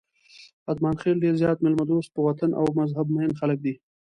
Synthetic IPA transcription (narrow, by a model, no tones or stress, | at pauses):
ad̪mɑːnxelɖeɾzjɑːt̪mɪlmad̪ost̪̚pəwat̪anʔa̰wmazɦabmaɪnxalək̚d̪i